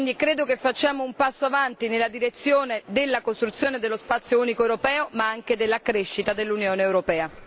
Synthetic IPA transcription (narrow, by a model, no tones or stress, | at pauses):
ind̪ikɾeːd̪okefːat͡ʃːaːmoumpasːoavant̪inelːad̪iɾet̪sːjoːned̪elːakost̪ɾut̪sjoːned̪elːospat̪sːjouːnikoewɾopɛːomaaŋk̟ed̪elːakɾeʃːit̪ad̪elːunjoːneewɾopɛːa